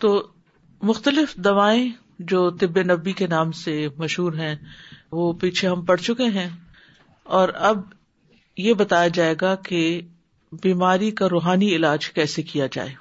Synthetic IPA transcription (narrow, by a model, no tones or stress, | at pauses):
t̪oː | mʊxt̪əlɪfd̪ɐʋaːẽ | d͡ʒoːt̪ɪbːenɐbːikenaːmsemɐʃɦuːɾɦɛ̃ʋoːpiːt͡ʃʰeɦɐ̃mpɐɽ̤t͡ʃʊkeɦɛ̃ | ɔːɾɐb | jebɐt̪aːjad͡ʒaːeːɡake | biːmaːɾikaɾoːɦaːniɪlaːd͡ʒkɛːsekijad͡ʒa̰ːeː